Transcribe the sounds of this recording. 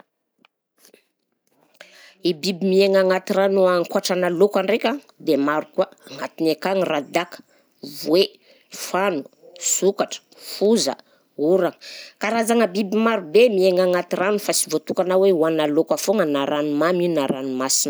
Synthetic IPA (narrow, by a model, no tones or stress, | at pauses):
ibibimieŋaŋat̪iɾanuaŋkuaʈ͡ʂanalokʷaɳɖ͡ʐekʲa | d̪emaɾukuaaŋat̪inekaŋirad̪akə̥ | vwe | fanu̥ | sukaʈ͡ʂə̥fuzə̰ | uɾaŋəkaɾazaŋəbibimaɾubemieŋaŋat̪iranufasivot̪ukanaweuanalokafoŋənaɾanumaminaɾanumasinə